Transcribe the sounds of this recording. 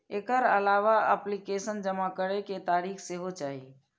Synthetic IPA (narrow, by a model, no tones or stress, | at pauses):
ekəɾəlaʋaəplikesənd͡ʒəmakəɾɛket̪aɾixʰseɦot͡ʃaːɦi